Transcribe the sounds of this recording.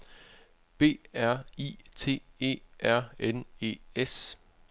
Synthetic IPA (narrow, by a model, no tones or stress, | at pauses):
b̥e̝̰ːæɐ̰ḭːt͡sʰe̝̰ːe̝̰ːʔæɐ̰ene̝̰ːes